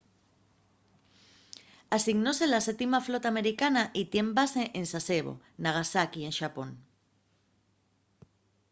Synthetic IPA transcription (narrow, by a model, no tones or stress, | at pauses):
asiɣno̞se̞laset̪imaflo̞t̪ame̞ɾikanaʔit̪je̞mbase̞ʔensaseβo̞̰ | naɣ̞asakie̞nʃapo̞n